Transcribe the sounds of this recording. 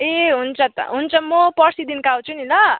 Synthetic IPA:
eɦunt͡sʰʌt̪ʌ̰ɦunt͡sʰʌmopʌsid̪inkaw̃t͡sʰuninʌ

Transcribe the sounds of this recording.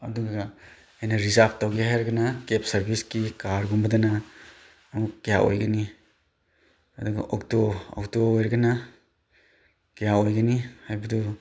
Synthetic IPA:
ɐduɡaɡa | ajnaɾizapʰtawɡiɦajɾɡɐnakepsɐɾbʱiskikaɾɡumbɐdanaː | mukkːijaʔo̰jɡani | ɐduɡaʔɔk̚toɔ̰k̚toojɾɡana | kijaojɡanihajbɐdu

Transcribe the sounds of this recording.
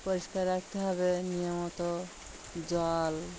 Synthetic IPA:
poɾiʃkaɾɾak̚t̪eɦɔβenijomot̪o | d͡ʑɔl

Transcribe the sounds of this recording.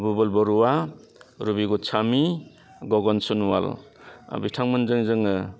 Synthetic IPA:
bubɔlbɔɾuwa | ɾubiɡut͡ʃʰami | ɡɔɡɔnsunwa̰l̰ | bitʰaŋmɯnzɯŋzɯŋɯ

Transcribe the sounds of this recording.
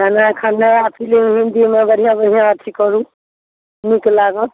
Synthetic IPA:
kanakʰanːaapʰilemɦind̪imebəɾ̤ijãbəɽ̤ʱijãət̪ʰikɔɾũ | niklaɡə

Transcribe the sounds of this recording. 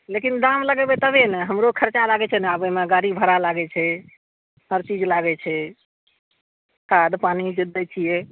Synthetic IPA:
lekind̪amləɡɛbɛt̪əbenɛɦəmɾokʰəɾt͡ʃalaɡɛt͡ʃʰɛnɛabɛmeɡaɾibʱəɾalaɡɛt͡ʃʰɛ | əɾt͡ʃid͡ʒlaɡɛt͡ʃʰɛ | kad̪panid͡ʒəd̪ːət͡ʃʰijɛ

